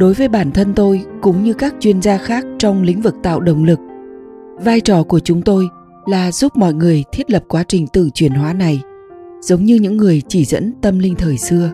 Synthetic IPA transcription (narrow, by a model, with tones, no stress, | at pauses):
ɗo˨˦jvəː˨˦jɓaː˧˩nt̪ʰə˧nt̪o˧jkʊ̰˧˦˥ŋ͡mɲɨ˧kaː˦˥k̚t͡ɕwi˧ənzaː˧xaː˦˥k̚t͡ɕɔ˧wŋ͡mlḭ˨˦ŋ̟vɨ˨˩k̚t̪a̰ː˧˨wɗə˨˩wŋ͡mlɨ˨˩k̚ | vaː˧jt͡ɕɔ˨˩ku˧˩ət͡ɕʊ˨˦ŋ͡mt̪o˧j | laː˨˩zu˦˥p̚mɔ̰˧˨jŋɨ˨˩əjt̪ʰi˦˥ət̚lə˨˩p̚kwaː˨˦t͡ɕï˨˩ŋ̟t̪ɨ̰˧˨t͡ɕwi˧˩ənhwaː˨˦na˨˩j | z̥ə˨˦wŋ͡mɲɨ˧ɲɨ̰˧˥ŋːɨ˨˩əjt͡ɕi˧˩zə̰˧˥nt̪ə˧mlï˧ŋt̪ʰəː˨˩jsɨ˧ə